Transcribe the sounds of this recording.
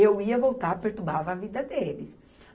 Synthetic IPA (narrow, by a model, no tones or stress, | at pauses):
ewiɐvowt̪aɾpeɾt̪ubavɐavid̪ɐd̪elɪs